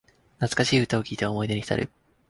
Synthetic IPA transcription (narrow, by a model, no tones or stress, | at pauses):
nat͡sɨ̥kaɕiːɯ̟t̪ao̞kʲiːt̪e̞aomo̞id̪eɲiçi̥t̪a̰ɾʔɯ̟̰